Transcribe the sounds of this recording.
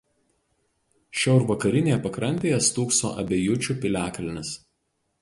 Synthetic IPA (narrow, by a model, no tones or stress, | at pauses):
ʃʲɛʊɾʋɐkɐɾʲɪnʲeːjɛpɐkɾɐnʲt̪ʲeːjɛst̪uːkso̰ːʔɐ̰bʲɛjʊt͡ʃʲʊˑpʲɪlʲæːklʲɪnʲɪs